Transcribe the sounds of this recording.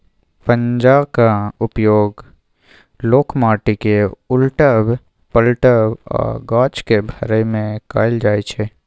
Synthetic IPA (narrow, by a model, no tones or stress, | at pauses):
pə̃ɲd͡ʒaːkaʊpjoːɡ | loːkʰmaːʈikeʊlʈəb | pəlʈəbɔ̰ːɾɡaːt͡ʃkebʱəɾəmẽkaːɪld͡ʒaːet͡ʃʰeː